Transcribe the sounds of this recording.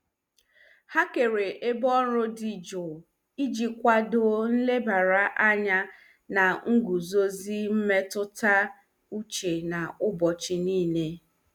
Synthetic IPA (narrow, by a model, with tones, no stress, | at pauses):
ha˦ke˨ɾe˨ʔe˦bɔ˦ɾʊ˦dɪ˨d͡ʒʊ˨ | i˦d͡ʒi˨kʷa˦do˨n̩˦le˦ba˨ɾa˦ʔa˦ɲa˦ | na˨ŋ̩˦ɡu˨zo˦zi˦m̩˦me˦tʊ˦ta˦ | u˦t͡ʃe˨na˨ʊ˦bɔ˨t͡ʃɪ˦niː˦ne˦